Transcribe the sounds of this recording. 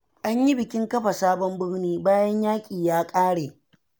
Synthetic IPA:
ʔa˦ɲji˦bɪ˨kʲɪ˦ŋkɐ˦ɸa˨saː˦bɔ˦mbɪ˦ɽniː˦baː˦jɐ˦ɲjaː˦kʲʼiː˨jaː˦kʼaː˦ɽeː˨

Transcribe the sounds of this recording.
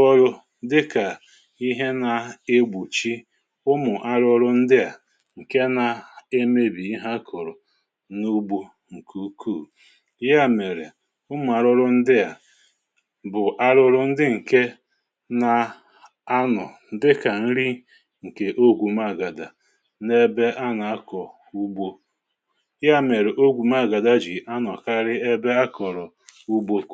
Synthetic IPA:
ɔ˦ɾʊ˦ | dɪ˦ka˨ | i˦ɦe˦na˨e˦ɡ͡bu˨t͡ʃi˦ | ʊ˦mʊ˨ʔa˦ɾʊ˦ɾʊ˦n̩˦dɪ˦a˨ | ŋ̩˨ke˦na˨e˦me˦bi˨i˦ɦa˦kʰʊ˨ɾʊ˨ | nu˦ɡ͡bu˦ | ŋ̩˨kʰu˦kʰu˦˨˦ | ja˦me˨ɾe˨ | ʊ˦mʊ˨a˨ɾʊ˦ɾʊ˦n̩˦dɪ˦a˨ | bʊ˨ʔa˦ɾʊ˦ɾʊ˦n̩˦dɪ˦ŋ̩˨ke˦ | na˦˨ | a˦nɔ˨n̩˨˦dɪ˦ka˨n̩˦ɾi˦ | ŋ̩˨ke˨ʔo˦ɡʷu˨ma˦˨ɡa˨da˨ | ne˦be˦ʔa˦na˨a˦kɔ˨ | u˦bo˦ | ja˦˨me˨ɾe˨ʔo˦ɡʷu˨ma˦˨ɡa˨da˦d͡ʒi˨a˦nɔ˨ka˦ɾɪ˦e˦be˦a˦kʰɔ˨ɾɔ˨ | u˦bo˦˨

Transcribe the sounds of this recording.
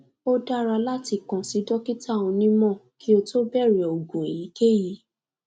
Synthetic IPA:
o˦da˦ɾa˧la˦ti˧˨kɔ̃˨si˨˦dɔ˦ki˦tʰa˦˨wũ˧nĩ˦mɔ̃˦˨kʰi˦o˧to˦bɛ˦˨ɾɛ˨o˨ɡõ˨e˨ji˨˦ke˦ji˨˦

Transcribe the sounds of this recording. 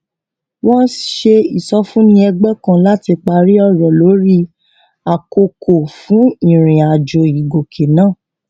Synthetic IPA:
wɔ̃˦n˦ʃe˧i˨sɔ˧fũ˦nĩ˧˦ɛ˧ɡ͡bɛ˦kã˧la˨˦ti˧k͡pa˧ɾi˦ɔ˦˨ɾɔ˨lo˨˦ɾi˦ | a˨ko˧kʰo˨fũ˨˦ĩ˨ɾ̃ĩ˨a˨d͡ʒo˨i˨ɡo˨kʰe˨nãː˦˨

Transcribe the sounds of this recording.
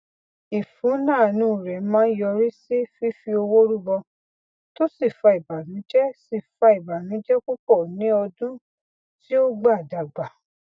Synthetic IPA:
i˨fũ˨˦nãː˦˨nũ˨˦˨ɾɛ˨˦mãː˦jɔ˧ɾi˦si˦fi˦fi˧o˧wo˦ɾu˦bɔ˧ | to˦si˦˨fa˧i˨ba˨nũ˨˦d͡ʒɛ˦si˦˨fa˧i˨ba˨nũ˨˦d͡ʒɛ˦ku˦k͡pɔ˦˨nĩ˨˦ɔ˧dũ˦ | ti˦o˦ɡ͡ba˦˨da˨ɡ͡ba˨

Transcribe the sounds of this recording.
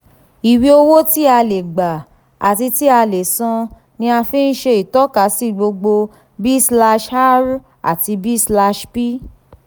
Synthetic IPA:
i˨wi˧o˧wo˦ti˦a˧le˨ɡ͡ba˨ | a̰˨ti˧ti˦a˧le˨sã˧ | nĩ˧a˧fĩ˦n̩˦ʃe˧i˨tɔ˨˦ka˨˦si˦˨ɡ͡bo˧ɡ͡bo˧ | bi˦sla˧ʃa˦ɾ | a̰˨ti˧bi˦sla˧ʃpi˦

